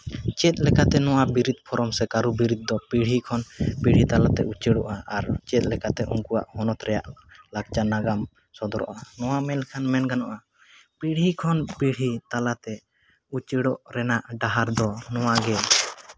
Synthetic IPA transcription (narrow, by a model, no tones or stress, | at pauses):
t͡ʃɛt̪̚lɛkat̪ɛnɔwabiɾit̪̚pʰɔɾɔmsɛkaɾubiɾit̪̚d̪ɔpiɽ̤ɦikʰɔnpiɽ̤it̪alat̪ɛ̰ut͡ʃiɽɔʔaaɾt͡ʃɛt̪̚ˀlɛkat̪ɛʔṵŋkua̰ʔhɔnɔt̪ɾɛja̰ʔlak̚t͡ʃanaɡam | sɔd̪ɔɾɔ̰ʔanɔwamɛlkʰanmɛnɡanɔʔa | piɽ̤ikʰɔnpiɽ̤it̪alat̪ɛ | ut͡ʃəɽɔʔɾɛnaʔɖaɦaɾd̪ɔnɔwaɡɛ